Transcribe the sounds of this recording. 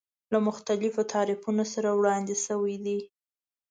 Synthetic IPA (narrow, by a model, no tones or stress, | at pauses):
lamʊxt̪alɪfot̪ʰɑɾɪfunosaɾawɽɑnd̪ɪsəwid̪i